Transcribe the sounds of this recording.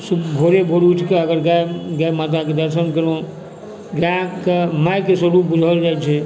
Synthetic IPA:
subʱoɾebʱoɾut͡ʃʰkeəɡəɾɡaeɡajmat̪̬aked̪əɾsənkəɾõ | ɡakemajkesəɾubud͡ʒʱəld͡ʒajt͡ʃʰɛ

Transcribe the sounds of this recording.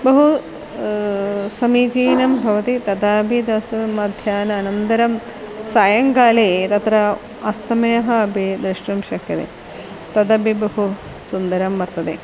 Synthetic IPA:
bɐɦu | sɐmiːt͡ʃiːnɐmbʱɐʋɐt̪it̪ɐd̪aːbʱid̪ɐsɐmɐd̪ʱjaːnɐːnɐnt̪ɐɾɐm | saːjɐŋkaːleːt̪ɐt̪ɾɐ | ɐst̪ɐmɐjɐɦɐɐbʱid̪ɾɪʂʈɐmʃɐkʰjɐt̪ḛ | t̪ɐd̪ɐbʱibɐɦu | sund̪ɐɾɐmːɐɾt̪ɐt̪ḛ

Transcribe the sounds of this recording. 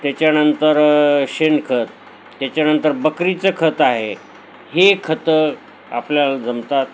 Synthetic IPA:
t̪jat͡ɕjanənt̪əɾɕenkʰət̪ː | jat͡ɕjanənt̪əɾbəkɾit͡səkʰət̪aɦe | hekʰət̪ə | a̰pljald͡zəmt̪at̪̚

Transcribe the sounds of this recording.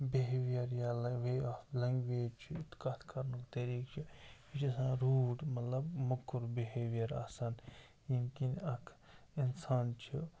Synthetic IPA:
biɦeːʋijɐɾjalʋeːaflɐŋɡʋeːd͡ʒt͡ʃʰiɪt̪kaːt̪ʰkɐɾnukt̪ɐɾiːkt͡ʃʰiit͡ʃʰɐsãːɾuːʈmɐt̪lɐbmɐkːuɾbiɦeːʋijɐɾa̰ːsan | jinkinɐkʰ | ɪnsaːnt͡ʃʰi

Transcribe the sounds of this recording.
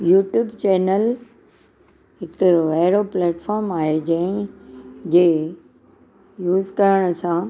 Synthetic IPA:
juːʈjuːbt͡ɕɛːnəl | ɦɪkɾoʋɐɦɪɽoplɛːʈfɔːɾmaːɦed͡ʑɐ̃ɪ̃ | d͡ʑeː | juːzkɐɾəɽ̃ə̆sã

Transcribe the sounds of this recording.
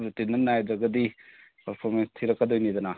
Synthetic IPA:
ɾutinɐnːajd̪ɾɐɡɐdi | pɐɾpʰoɾmenstʰiɾɐkːɐd̪ojnid̪ɐnɐ

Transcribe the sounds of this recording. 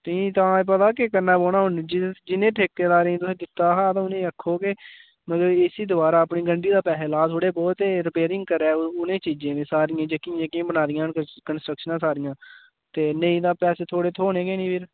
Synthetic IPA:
t̪ːt̪ãːp̬ət̪aːkɪkənːaːboːnaːɦʊnːd͡ʒd͡ʒɪnẽːʈʰeːk̚t̪eːd̪aːɾẽt̪ʊsẽːd̪ɪt̪ːaːɦaːt̪ãːʊnẽːəkʰːoːkɪ | mət̪ləbɪsiːd̪ʊbaːɾaːəpɳiːɡəɳɖiːd̪aːpɛːseːlaːt̪ʰoːɽeːbɔːt̪eːɾɪpeːɾɪ̃ŋɡ̚kəɾɛːʊnẽːt͡ʃiːd͡ʒẽːnẽːsaːɾɪjãːd͡ʒəkĩd͡ʒekĩːbənaːd̪ɪjãːnkənsʈɾəkʃənãːsaːɾɪjãː | t̪eːnẽĩːd̪aːpɛːseːt̪ʰoːɽeːt̪ʰoːnẽːɡeːnĩːpʰɪɾ

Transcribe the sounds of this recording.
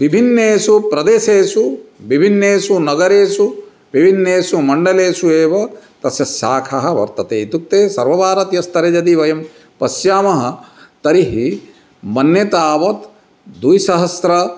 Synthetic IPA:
ʋibʱinːeːʃupɾɐd̪eːʃeːʃuʋibʱinːeːʃunɐɡɐɾeːʃu | ʋibʱinːeːʃumɐɳɖɐleːʃueːʋɐt̪ɐsjɐsjaːkʰɐɦɐ̆ʋɐ̰ɾt̪ɐt̪eːit̪uk̚t̪eːsɐɾʋɐbʱaːɾɐt̪jɐst̪ʰɐɾed͡ʒɐd̪iʋɐjɐm | pɐsjaːmɐɦɐt̪ɐɾiɦi | mɐnjɐt̪aːʋɐt̪ | d̪ujsɐɦɐsɾɐ

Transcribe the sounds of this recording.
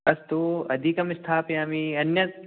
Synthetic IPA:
ɐst̪oɐ̰d̪ʱikɐmɪst̪ʰaːpjamiɐnjɐ

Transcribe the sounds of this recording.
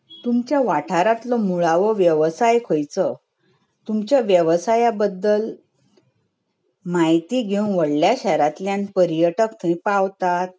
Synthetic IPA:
t̪umt͡ɕjaʋaʈʰaɾat̪lɔmuɭaʋəʋjəʋsajkʰojt͡sə | t̪umt͡ɕjaʋjəʋsajabəd̪ːəl | majt̪iːɡʱeũnʋəɽljaɕɛɾat̪ljanpəɾijəʈəkt̪ʰəĩpaʋt̪at̪̚

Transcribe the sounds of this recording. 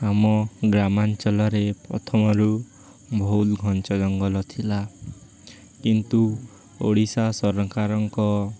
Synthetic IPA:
amɔɡɾamant͡ʃɔlɔɾepɾɔt̪ʰɔmɔɾu | bʱowlɡʱɔnt͡ʃɔd͡ʒɔŋɡɔlɔt̪ʰila | kint̪u | oɽisasɔɾɔŋkaɾɔŋkɔ

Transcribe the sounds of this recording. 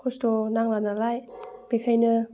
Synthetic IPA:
kʰostonaŋlanalajb̥ekʰajnɯ

